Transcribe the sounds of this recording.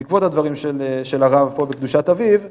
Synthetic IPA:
ikvo̞t̪had̪vaʁimʃeleʃelaʁavpo̞bekd̪uʃat̪aviv

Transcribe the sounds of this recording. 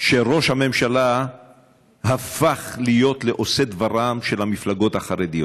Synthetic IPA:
ʃe̞ʁo̞ʃhame̞mʃala | ɦafaχlijo̞t̪leʔo̞sed̪vaʁamʃe̞lhamiflaɡo̞t̪haχaɾed̪ijot

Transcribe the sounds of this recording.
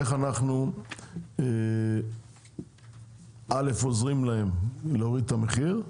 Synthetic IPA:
eχanaχnu | e | ale̞fo̞zʁimlae̞mleoʁid̪̚t̪ame̞χiʁ

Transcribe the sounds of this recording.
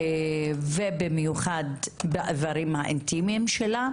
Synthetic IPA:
vebimjuχad̪beʔavaɾimhaʔint̪imiimʃela

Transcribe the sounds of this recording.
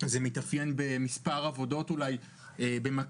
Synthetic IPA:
zemitafje̞nbe̞mispaʁavo̞do̞tulaj | ebe̞ma

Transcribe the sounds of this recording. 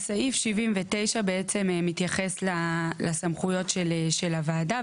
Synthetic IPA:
saifʃivimvete̞jʃabeet͡se̞mmit̪jaχe̞slalasamχujo̞tʃelʃelavaːda

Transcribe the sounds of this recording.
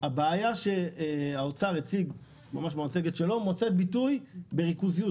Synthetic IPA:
abaːjaʃeaot͡saʁet͡siɡ | mamaʃmoat͡seɡet̪ʃelo̞mot͡set̪̚bitujbe̞ʁikuziju

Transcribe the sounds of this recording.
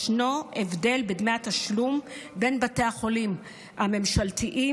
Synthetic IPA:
ʃno̞ʔevde̞lbedmeataʃlumbe̞nbate̞aχo̞lim | ame̞mʃalt̪iʔi

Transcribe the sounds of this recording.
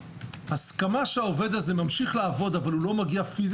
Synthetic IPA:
haskamaʃeaove̞d̪aze̞mamʃiχlaːvo̞d̪avalulo̞maɡiafiz

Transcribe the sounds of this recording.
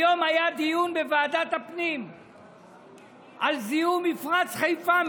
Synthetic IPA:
o̞majad̪ijunbevaːd̪at̪hapnim | ʔalziumifʁat͡sχajfa

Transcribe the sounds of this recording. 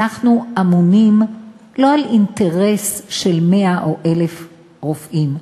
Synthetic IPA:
aχnuamunim | lo̞alinteʁesʃe̞lme̞aʔoʔelef | ʁofʔim

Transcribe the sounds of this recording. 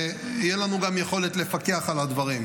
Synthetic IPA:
ijelanuɡamjeχo̞let̪lefake̞aχalad̪vaʁim

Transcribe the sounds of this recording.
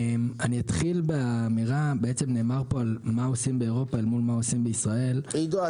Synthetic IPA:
maniat̪χilbeaːmiʁabeet͡semne̞ːmaʁpo̞almaosimbe̞eʁo̞paelmulmao̞simbe̞isʁae̞liɡo

